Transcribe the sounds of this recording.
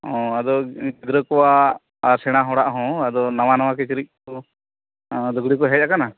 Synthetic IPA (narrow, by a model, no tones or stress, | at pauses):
ɔ̃ad̪ɔɡid̪ɾəkɔwaː | ɾsɛɽ̃aɦɔɽaʔɦɔ̃ad̪ɔnawanawakɛt͡ʃiɾic̚tɔ | d̪ɔɡɽikɔɦɛjakana